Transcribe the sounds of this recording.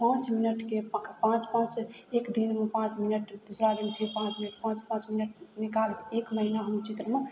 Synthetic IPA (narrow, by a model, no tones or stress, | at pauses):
pãt͡ʃminəʈkepãt͡ʃpãt͡ʃekd̪inmepãt͡ʃminəʈd̪usɾad̪inpʰiɾpãt͡ʃminəʈpãt͡ʃpãt͡ʃminəʈ̚nikalekməɦinaɦəmt͡ʃit̪ɾəme